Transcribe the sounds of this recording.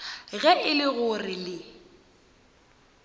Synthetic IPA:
ɣɛʔɪlɪɣʊrɪlɪ

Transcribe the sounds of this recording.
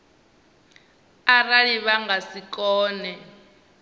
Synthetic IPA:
araɺiβaŋɡasikʼɔːnɛ

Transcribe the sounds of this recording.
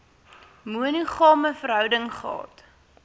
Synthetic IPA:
muənuχɑːməfəɾɦœwdəŋχəɑ̰ːt

